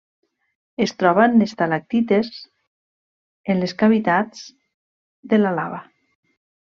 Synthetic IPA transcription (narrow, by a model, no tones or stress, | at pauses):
est̪ɾɔβanlest̪alak̚t̪it̪ez | enleskaβit̪at͡s | d̪elalaβa